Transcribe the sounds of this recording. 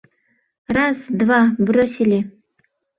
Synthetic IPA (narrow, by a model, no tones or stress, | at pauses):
rɑzd̪vɑbɾosʲilʲi